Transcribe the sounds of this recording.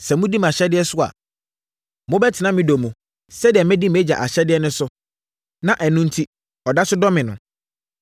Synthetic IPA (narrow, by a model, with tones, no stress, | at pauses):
sɛ˨mʊ̃˦di˦m˨a˨ɕɛ˦dɪ˦ɛ˦sʊ˦a̰˨ | mʊ̃˦bɛ˦tʰɪ˨nã˦mɪ̃˦do˨mũ˨ | sɛ˦dɪ˨ɛ˨mɛ̃˦di˦m˨˦ɛ˦d͡ʑa̰˨ʔa˨ɕɛ˦dɪ˦ɛ˦nʊ̃˦sʊ˦ | nã˨ʔɛ˨nũ˦n̩˦tʰi˦ | ɔ˨da˦sʊ˦dɔ˦mɪ̃˨nʊ̃˨